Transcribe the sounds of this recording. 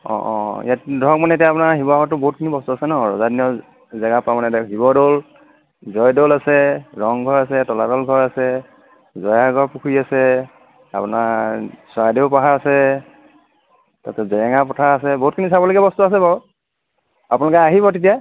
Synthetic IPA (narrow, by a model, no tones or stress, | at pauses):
ɔ̰̃ʔɔ̰̃ḭjatdɔɔk̚manɛet̬ijapʊnaɹɦibɔaɡɔtːʊbɔɦut̚kʰinibɔstuasɛnɔɹɔ̰zadinɔ | zaɡapamanɛtaɦibɔdol | zɔjdolasɛɹɔŋɡʱɔɹasɛtɔladɔlɡʱɔɹasɛ | zɔjaɡɔɹpukʰuiasɛ | apunaɹswajdeʊpaɦaasɛ | tatɛzɛɛŋapɔtʰaːsɛboɦut̚kʰinisabɔloɡɛbɔstuasɛbaɹɔ | apʊnalɔkɛaɦibɔt̬et̬ija